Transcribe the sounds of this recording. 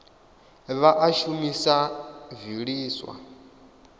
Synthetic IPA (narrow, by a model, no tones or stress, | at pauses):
βaʔaʃumisaviɺiːswa̰